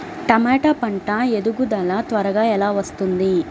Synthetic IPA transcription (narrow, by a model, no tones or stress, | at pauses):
ʈɐmaːʈaːpɐɳʈaːed̪uɡud̪ɐlat̪ʋɐɾɐɡaːɛlaːʋɐst̪und̪i